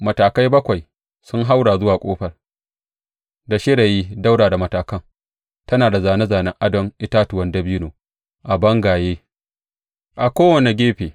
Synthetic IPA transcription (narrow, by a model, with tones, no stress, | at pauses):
mɐ˨taː˨ka˦jbɐ˦kʷa˨j | sʊ˦ŋɦa˦wɽaː˨zʊ˦waː˨kʷʼoː˦ɸɐ˨r | da˨ʃɪ˦ɽa˨jiː˦da˦wdaː˨da˨mɐ˨taː˨kɐ˦ŋ | tɐ˦naː˨da˨zaː˨ne˦zaː˨nɛ˦ŋʔa˦dɐ˦ŋʔɪ˦taː˦tʊ˨wɐ˦ndɐ˦biː˦noː˨ | ʔa˨bɐ˦ŋɡaː˨jeː˦ | ʔa˨kʷoː˦wɐ˨ne˨ɡʲeː˦ɸeː˨